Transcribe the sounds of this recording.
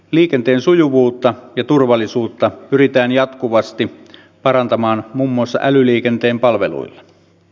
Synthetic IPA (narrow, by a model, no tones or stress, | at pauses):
liːkent̪e̞ːnsujuʋuːt̪ːɑjɑt̪urʋɑlːˑisuːt̪ːɑpyrit̪æːnjɑt̪kuʋɑst̪i | pɑɾɑnt̪ɑmɑːnmuːmːuɑsːɑ̰ʔælyliːkent̪e̞ːmpɑlʋḛlṵilːɑ